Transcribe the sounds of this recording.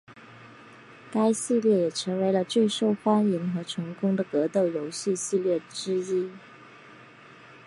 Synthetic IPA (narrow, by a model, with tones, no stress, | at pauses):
ka˥ɪɕi˥˧ljɛ˥˩jɛ˨˩ʈ͡ʂʰɤ˧˥ŋwe˧˥ɪlə˧t͡swe˥˧ɪʂo˥˩ʊfa˥ni˧˥nxɤ˧˥ʈ͡ʂʰʊ˧˥ŋkʊ˥ŋd̪ə˨kɤ˧˥t̪o˥˩ʊjo˧˥ʊɕi˥˧ɕi˥˧ljɛ˥˩ʈ͡ʂɻ̩˥i˥